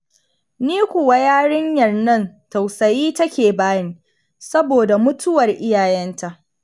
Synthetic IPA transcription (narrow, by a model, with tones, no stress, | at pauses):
niː˦kʷʊ˨wa˦jaː˦ɽɪ˦ɲjɐ˨rnɐ˦ntɐ˨wsɐ˨jiː˦tɐ˦kʲeː˨baː˦ji˦˨ | sɐ˦boː˨da˨mʊ˦tʰʊ˦wɐ˨rʔɪ˦jaː˨jɛ˦nta˦˨ʔ